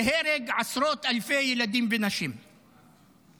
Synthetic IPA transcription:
ɦeɾeɡʕasɾot̪alfejelad̪imvenaʃim

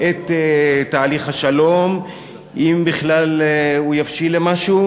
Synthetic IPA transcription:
ʔet̪ːt̪ːaːliχhaʃalo̞m | ʔimbiχlalujafʃilemaʃu

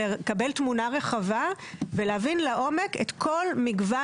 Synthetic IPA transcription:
kabe̞lt̪munaʁeχavaveleavinlaʔo̞meket̪kʰo̞lmiɡva

